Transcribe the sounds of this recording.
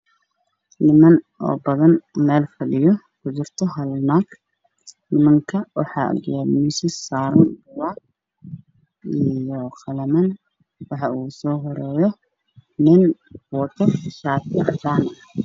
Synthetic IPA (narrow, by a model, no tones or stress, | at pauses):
nɪmɐn | ɔ̰ːbɐðɐnmɛːlfɐɖɪjɔ | kʰʊt͡ʃɪrt̪ʰɔɦɐlnaːɡ | nɪmɐŋkʰɐwɑħɑ̰ːʔɐ̰ɡɛmisɪsːaːɾʊnbʊwaːk | ijɔqɑlɐmɐn | wɑħɑuːsɔːɦɔɾɛːjɔ | nɪnwɐt̪ʰɔʃaːt̪t̪aːnɐ